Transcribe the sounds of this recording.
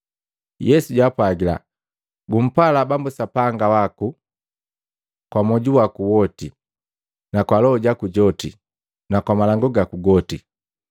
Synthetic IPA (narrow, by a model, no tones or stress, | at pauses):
jɛsuɟwaːpwaɡila̰ | ɡum̩palabambusapaŋɡawaku | kwamɔɟuwakuwɔti | nakwalɔɔɟakuɟɔtḭ | nakwamalaŋɡɔɡakuɡɔti